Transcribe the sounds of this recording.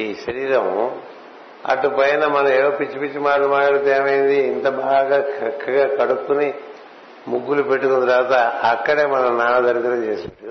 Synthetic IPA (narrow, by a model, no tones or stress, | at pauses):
iːʃɐɾiːɾɐm | ɐ̰ʈːupɐjnɐmɐnɐmeːoːpit͡ʃːipit͡ʃːimaːlumaːʈɐɽɐt̪eːmɐjind̪iːnt̪ɐbaːɡaːt͡ʃʰɐkʰːɐɡaːkɐɽukːuni | muɡːulupe̞ʈːukund̪ɾɐʋat̪ɐɐkːɐɽeːmɐnɐnaːɭɐd̪ɐɾukɐɾɐt͡ʃeːsaɽu